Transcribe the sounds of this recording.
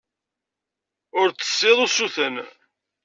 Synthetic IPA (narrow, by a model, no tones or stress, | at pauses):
ʊɾt͡sːə̥sːeðˤusuθən